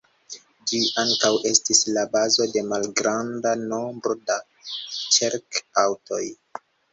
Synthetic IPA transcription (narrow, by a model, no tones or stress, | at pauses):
d͡ʒiʔaŋkawʔe̞stislabazo̞de̞malɡɾandano̞mbɾo̞da | t͡ʃeɾkawtoj